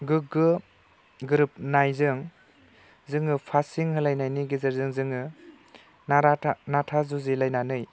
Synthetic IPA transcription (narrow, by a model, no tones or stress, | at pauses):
ɡɯɡɯ | ɡɯɾɯp̚najzɯŋ | zɯŋɯpʰasiŋhɯlajnajniɡizɯɾzɯŋzɯŋɯ | naɾanatʰazuzilajnanɯj